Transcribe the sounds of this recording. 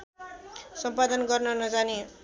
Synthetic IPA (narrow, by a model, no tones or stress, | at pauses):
sʌmpad̪ʌnɡʌrnʌnʌd͡zani